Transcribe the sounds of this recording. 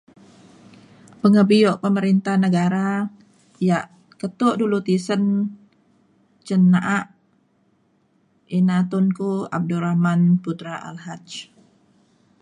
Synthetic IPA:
pəŋəbijɔʔpəməɾint̪ahnəɡaɾa | jaʔ | kət̪ʊʔdulut̪isən | t͡ʃənːaʔaʔ | inat̪ʊnkua̰b̚duɾahmanput̪ɾaʔa̰lhat͡ʃ

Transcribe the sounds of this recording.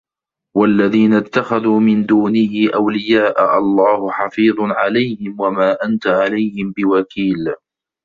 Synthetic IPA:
walːaðiːnat̪ːaxaðuːmɪnd̪uːnɪhɪʔawlɪjaːʔaʔɑlˤːɑːhʊħɑfiːðˤʕalajhɪmwamaːʔant̪aʕalajhɪmbɪwakiːl

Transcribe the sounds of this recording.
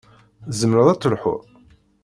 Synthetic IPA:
zəmɾəðˤæt͡sːəlħʊ̰ɾˤ

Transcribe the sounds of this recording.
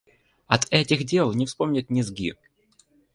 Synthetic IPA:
ɐt̪ɛtʲɪxdʲelˠnʲɪfspo̞mnʲɪt̪̚ʲnʲɪzɡʲḭ

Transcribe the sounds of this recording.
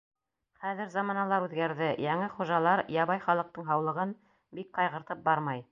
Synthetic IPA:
χæðɘ̆ɾzɑmɑnɑlˠɑɾʉðɡæɾðɘjɑŋɘχuʒɑlˠɑɾjɑβɑjχɑlˠɤ̆q̚t̪ɤɴɦɑwlˠɤ̆ʁɤn | bik̚qɑjʁɤ̆ɾt̪ɤp̚bɑɾmɑj

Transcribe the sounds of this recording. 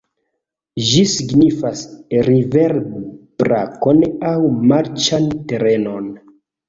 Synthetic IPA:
ʒisiɡnifasɾiveɾbb̥ɾa̰konawmaɾt͡ʃante̞ɾe̞no̞n

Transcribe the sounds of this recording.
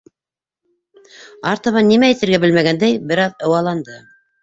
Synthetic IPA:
ɑɾt̪ɑ̆βɑnːimæit̪ɘ̆ɾɡæbɘlmæɡænd̪æjbɘ̆ɾɑðɤ̆wɑlˠɑnd̪ɤ

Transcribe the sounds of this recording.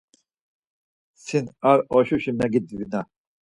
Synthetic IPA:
sinaɾɔʃuɕimnaɡid̪̚ibina

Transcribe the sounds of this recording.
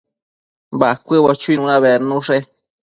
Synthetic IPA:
bakʷɨβat͡ʃuinũnãβeɾnũʂe

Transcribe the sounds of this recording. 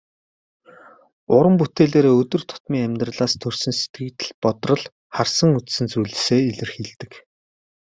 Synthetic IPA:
ʊɾə̆mput̪eːɮeːɾeːɵt̪ɵ̆rt̪ʰʊ̥t̪miːŋæmʲt̪rə̆ɮaːst̪ʰɵr̥sɵ̆nse̥t̪̚ɡɘ̆k̚t̪ɘ̆ɮpɔt̪rɞ̆ɮ | χarsə̆ŋut͡ssɘ̆nt͡sujɮ̆seːiɮɘ̆rxiɮt̪ɘ̆k

